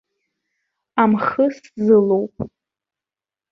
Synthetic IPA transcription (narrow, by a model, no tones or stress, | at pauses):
amχəszɨlo̞wpʼ